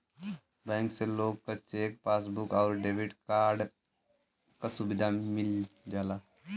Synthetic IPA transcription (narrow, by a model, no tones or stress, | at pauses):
bɛ̃ːŋkseloːɡ̚kat͡ʃeːk̚paːsbukɔːɾɖeːʋiʈkaːɾɖ | kasubɪd̪ʱamɪld͡ʒaːlaː